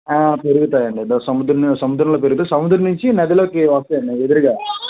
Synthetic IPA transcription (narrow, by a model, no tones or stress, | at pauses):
aːpeɾuɡut̪aːjɐɳɖid̪ɐsɐmud̪ɾɐnsɐmud̪ɾɐmloːp̬eɾuɡut̪eːsɐmud̪ɾɐnuɲt͡ʃinɐd̪ɐloːkiʋɐːst̪ɐɐɳɖied̪iɾɡaː